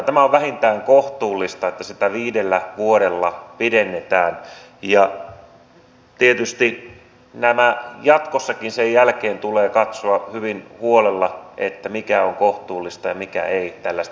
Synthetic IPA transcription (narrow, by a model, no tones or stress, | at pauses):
t̪æmæoʋʋæhint̪æːŋkoht̪uːlːist̪ɑet̪ːæsit̪æʋiːdelːæʋuoɾelːɑpidenːet̪æːn | jɑ | t̪iet̪yst̪i | næmæjɑt̪kosːɑkinsejjælkeːnt̪uleːkɑt̪soɑhyʋinhuolelːɑʔḛt̪ːæmikæoŋkoht̪uːlːist̪ɑjɑmikæ̰eit̪ælːæst̪